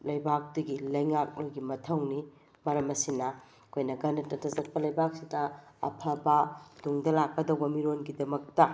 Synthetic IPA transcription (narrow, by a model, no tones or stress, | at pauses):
lɐjbak̚dɐɡilɐjŋak̚nojɡimɐtʰɐwni | mɐɾɐmɐsinɐ | ɐkʰojnɐɡɐndɐtnɐtʰɐzɐk̚pɐlɐjbak̚sidɐ | ɐ̰pʰɐbɐd̥uŋdɐlakːɐdɐwbɐmiɾonɡidɐmɐk̚tɐ